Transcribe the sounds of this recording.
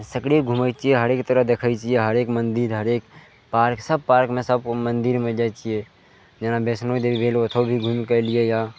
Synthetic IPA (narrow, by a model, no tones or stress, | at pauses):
səkɽiɡʱumət͡ʃieɦəɾeːkt̪əɾəɦd̪eːkʰait͡ʃieɦəɾeːkmə̃nd̪iɾɦəɾeːk | paːɾksəb̚paːɾkmẽsəbkomə̃nd̪iɾmẽd͡ʒaːt͡ʃie | d͡ʒenabeːsnod̪eibʱeːlot̪ʰobʱiɡʱumkəlieja